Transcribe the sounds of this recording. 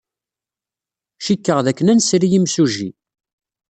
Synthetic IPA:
ʃikːəʁðækːənænsɾijimsuʒḭ

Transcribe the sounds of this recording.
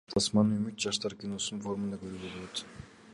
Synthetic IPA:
t̪ʰɑsmɑnymyt̪̚d͡ʒɑʃt̪ɑɾkʲino̞sfo̞ɾmɯnd̪ɑkʰøɾybolˠoot̪

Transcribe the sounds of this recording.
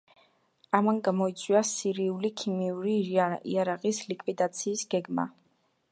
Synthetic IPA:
amanɡamɔit̪sʼwiasiɾiulikʰimiuɾiḭaɾaqʼislikʼwid̪at̪sʰiːsɡ̥ɛɡma̰

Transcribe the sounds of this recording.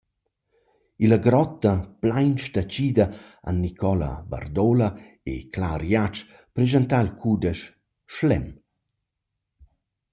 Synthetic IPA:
ilaɡɾɔt̪ːɐplajnʃt̪at͡ʃiːd̪ɐa̰nːikʰɔla̰ba̰rd̪ola | ḛklaɾjat͡ʃ | pɾezant̪ailkʰud̪ɛʃː | lɛm

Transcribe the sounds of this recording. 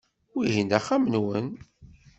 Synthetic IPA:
wiɦind̪æχːamənwən

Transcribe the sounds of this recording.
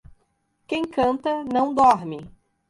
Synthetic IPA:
kẽj̃kɐ̃nt̪ɐnɐ̃w̃d̪ɔɾmɪ

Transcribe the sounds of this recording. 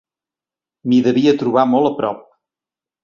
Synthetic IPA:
miðəβiət̪ɾuβ̞amolˠəpɾɔ̰p̚

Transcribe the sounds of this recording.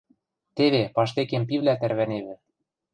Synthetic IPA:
t̪eβepɑʃ̬t̪ekempiβlæt̪æɾβæneβɘ̆

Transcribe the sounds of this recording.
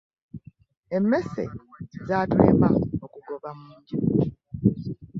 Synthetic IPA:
emːe̞sḛzaːtwe̞̰ːmaokuɡo̞βamuːɲɟi

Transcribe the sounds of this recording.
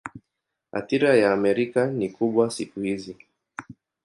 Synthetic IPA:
ha̰θiɾajaːmɛɾikanikuɓwasikuhizi

